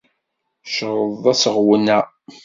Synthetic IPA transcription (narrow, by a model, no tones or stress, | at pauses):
ʃəɾˤəðˤæsəʁwənæ